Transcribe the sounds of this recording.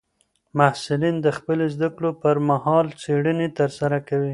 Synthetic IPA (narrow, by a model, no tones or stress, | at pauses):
mahsɪlind̪əxpəlozd̪akɽopəɾmahɑlt͡seɽənet̪əɾsaɾakawi